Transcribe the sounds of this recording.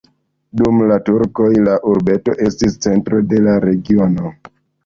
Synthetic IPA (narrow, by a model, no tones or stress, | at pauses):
dumlatuɾko̞jlaʔuɾbe̞to̞ʔe̞stist͡se̞ntɾo̞de̞laɾe̞ɡiono̞